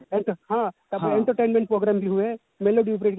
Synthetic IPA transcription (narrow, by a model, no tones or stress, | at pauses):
ẽɳʈəɦãt̪ɐẽɳʈəɾʈẽːnmẽɳʈ̚pɾoːɡɾaːmbiɦue | meloɖip̬ɾeːʈk